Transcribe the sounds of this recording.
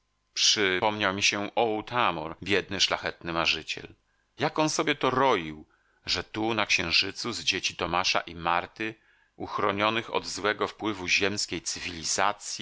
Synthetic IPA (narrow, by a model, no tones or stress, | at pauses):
pʂɘpɔmɲawmʲiɕɛʔɔwt̪amɔɾbʲjɛd̪̚nɘʂlaxɛt̪nɘmaʐɘt͡ɕɛ̰l | jakɔnsɔbʲjɛt̪ɔɾɔjiw | ʐɛt̪unakɕɛ̃w̃ʐɘt̪suzd͡ʑet͡ɕit̪ɔmaʂa̰ʔimaɾt̪ɘ | ʔuxɾɔɲɔnɘxɔ̰d̪zwɛɡɔfpwɘvuʑɛmskʲejt̪sɘvʲilʲizat̪sʲji